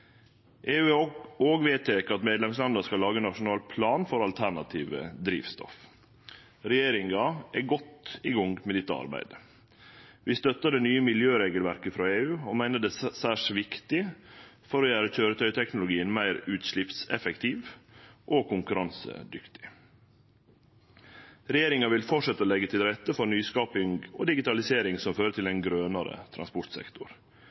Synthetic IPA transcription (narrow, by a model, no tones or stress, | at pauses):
ʔeːʉːoːɡʋeːt̪ʰɛkːɑt̪meːd̪lɛmslɑnd̪ɑskɑlːɑːɡəɛnɑʂʊnɑːlpʰlɑːnfɔɾɑlt̪ʰæɳɑt̪ʰiːʋə̰d̪ɾḭːʋst̪ɔ̰f | ɾɛjeːɾɪŋɡɑʔæɡɔt̪ɪɡɔŋɡmɛd̪ɪt̪ːəɑ̰ɾbæ̰ɪd̪ə | ʋɪst̪œt̪ːəɖɛnyːəmɪljøːɾeːɡəlʋæɾkəfɾɑːeːʉːɔmæɪnəɖɛsæːʂʋɪkt̪ɪfɔɾɔjæːɾəc͡çøːɾət̪ʰœʏt̪ʰɛknʊlʊɡiːənmæɪɾʉːt̪ʂɭɪpsɛ̰fɛkt̪ʰiːʋʔoːkʰʊŋkʉɾɑnsə̰d̪ʏkt̪ɪ̥ | ɾɛjeːɾɪŋɑʋɪlfɔʈʂɛt̪ːəɔlɛɡːət̪ʰɪlɾɛt̪ːəfɔɾnyːskɑːpɪŋɡo̰ːd̪ɪɡɪt̪ɑlɪseːɾɪŋsɔmføːɾət̪ʰɪlɛnɡɾøːnɑɾə̰t̪ʰɾɑ̰nspɔɾt̪sɛ̰kt̪ʊ̰ɾ